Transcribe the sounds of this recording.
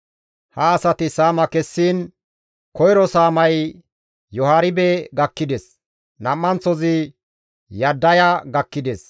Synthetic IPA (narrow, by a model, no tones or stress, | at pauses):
hɐːsɐt̪ɪsaːmɐkɛsːiːn | kɔjɾɔsaːmɐj | jɔhaːɾɪbɛɡɐkːɪd̪ɛs | nɐmːɐnt͡sːɔzɪ | jɐd̪ːɐjaɡɐkːɪd̪ɛs